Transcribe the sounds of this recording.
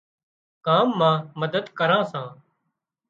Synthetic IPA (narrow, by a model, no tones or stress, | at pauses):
kaːmːãːməd̪əd̪kəɾãːsãː